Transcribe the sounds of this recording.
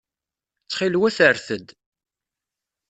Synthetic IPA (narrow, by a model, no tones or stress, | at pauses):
t͡sːχɪlwæθəɾθəd̪